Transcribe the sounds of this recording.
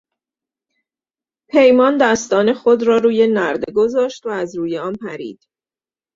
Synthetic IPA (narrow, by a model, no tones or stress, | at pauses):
pʰe̞jmɒːnd̪æst̪ɒːne̞xod̪ɾɒːɾuːje̞næɾd̪eɡo̞zɒːʃt̪væːzɾuːjeɒːnpʰæɾḭːd̪̥